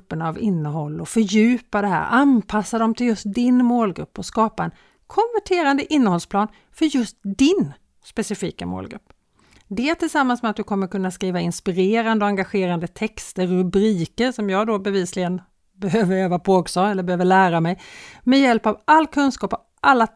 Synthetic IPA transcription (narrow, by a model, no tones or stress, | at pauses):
pːəɳavɪnːəɦɔlːɔfœɾjʉ̟ːpad̪ɛɦæ̰ːɾʔanpʰasːad̪ɔmt̪ʰɪljɵst̪̚d̪ɪnmoːlɡɾɵ̰pːɔskɑːpaɛn | kʰɔnvæʈʰeːɾand̪əʔɪnːəhɔlspʰlɑːn | fœɾjɵst̪̚d̪ɪn | spɛsɪfiːkamo̰ːlɡɾɵ̰pː | d̪ɛæt̪ʰɪlsamːansmɛat̪̚d̪ɵkʰɔmːəɾkɵnːaskɾiːvaɪnspɪɾeːɾand̪ɔaŋɡaɧeːɾand̪ət̪ʰɛkst̪əɾːɵbɾiːkəɾʂɔmjɑːɡd̪obɛviːslɪɡən | bɛɦøːvəɾɛːvapʰoːɡsɑːɛlːəɾbɛhøːvəɭæːɾamɛjmɛjɛlpavalːkʰɵnskɑːpɔ | ʔalːa